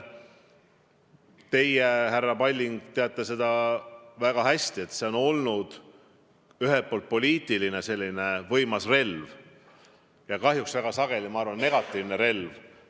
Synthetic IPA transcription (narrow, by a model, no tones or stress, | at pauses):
t̪e̞jehærːɑpɑlʲːiŋɡ̥t̪eɑt̪ːˑese̞d̪ɑvæɡ̥ɑɦæsʲt̪ie̞t̪ːˑse̞o̞no̞lnud̪̥ | yɦelt̪̚po̞ːlt̪̚po̞lʲiːt̪ˑiline̞se̞lʲːine̞vɤ̞jmɑsre̞lv | jɑkɑɦjuksvæɡ̥ɑsɑɡ̥e̞lʲimɑɑɾvɑnːe̞ɡ̥ɑt̪ˑːiːvne̞ɾe̞lv